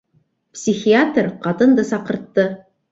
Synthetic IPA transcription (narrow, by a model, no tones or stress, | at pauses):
psʲixʲiat̪rqɑt̪ɤ̆nd̪ɤsɑqɤ̆ɾt̪ːɤ